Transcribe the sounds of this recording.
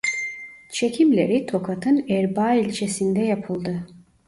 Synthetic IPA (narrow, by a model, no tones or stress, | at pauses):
t͡ʃʰe̞cʰimlʲeɾit̪ʰo̞kʰat̪ʰɯnɛɾbaːilʲt͡ʃʰesind̪ɛjapʰɯlˠd̪ɯ